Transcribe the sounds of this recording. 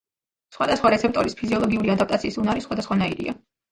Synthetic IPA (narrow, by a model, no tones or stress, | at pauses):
sχwad̪asχwaɾɛt̪sʰɛp̚t̪ʼɔɾispʰiziɔlˠɔɡiuɾiad̪ap̚ʰt̪ʼat̪sʰiːsunaɾisχwad̪asχwanaiɾḭa̰